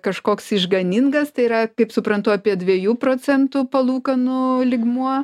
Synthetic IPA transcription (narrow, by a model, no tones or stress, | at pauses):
kɐʃkoːksɪʒɡɐnʲɪŋɡɐst̪ɐɪiːɾɐkɐɪpsʊpɾɐnt̪ʊɐːpʲiɛdʲʋʲiɛjuːproːt͡sʲɛnt̪ʊpɐlˠuːkɐnʊlʲɪɡmuɔ